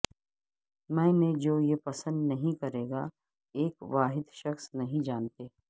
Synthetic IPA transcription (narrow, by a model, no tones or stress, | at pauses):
mɛ̃ːmẽd͡ʒoːjepɐsə̃nd̪nɐɦĩkɐɾeːɡa | eːkʋaːɦɪd̪ʃɐxsnɐɦĩd͡ʒaːnt̪eː